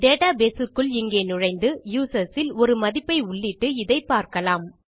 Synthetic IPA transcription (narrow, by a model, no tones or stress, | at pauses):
ɖ̪eːʈaːbeːsɯkːɯɭɪŋɡeːnʊɻɐɪnd̪ɯjuːsɐsɪlɔɾɯmɐðɪpːɐɪʊɭːɪʈːɯɪðɐɪpːaːɾkɐlaːm